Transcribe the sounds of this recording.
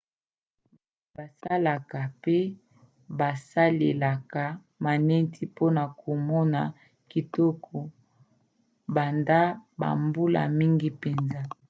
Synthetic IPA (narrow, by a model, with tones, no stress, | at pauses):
ba˨sa˦la˨ka˨pe˦ | ba˨sa˦le˨la˨ka˨ | ma˨nɛ˦ntʰi˦po˦na˨kʰo˨mɔ˦na˨ | ki˨tɔ˦kʰɔ˨ | ba˨nda˦ba̰˨mbu˦la̰˨mi˦ŋɡi˦pe˨nza˦